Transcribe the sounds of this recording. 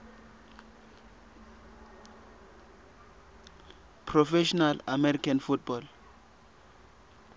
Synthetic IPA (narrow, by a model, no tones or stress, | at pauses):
pʰrɔfɛʃɔnalamɛɾikʰanfut̚bɔl